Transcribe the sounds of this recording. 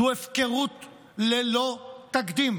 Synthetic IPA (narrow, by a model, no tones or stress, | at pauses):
uefkeʁut̪ | lelot̪akd̪im